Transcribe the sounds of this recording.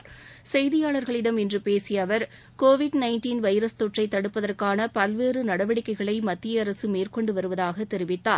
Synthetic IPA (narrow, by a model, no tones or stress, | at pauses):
sɛjðɪjaːɭɐɾɣɐɭɪɽɐmɪndrɯpeːsɪjɐʋɐɾ | koːʋɪɖnɐɪnʈiːnʋɐɪɾɐst̪ɔʈrɐɪt̪ːɐɽɯpːɐðɐrkaːnɐpɐlʋeːrɯnɐɽɐʋɐɽɪkːɐɪɣɐɭɐɪmɐt̪ːɪjɐːɾɐsɯmeːrkɔɳɖɯʋɐɾɯʋɐðaːɣɐt̪ːɛɾɪʋɪt̪ːa̰ː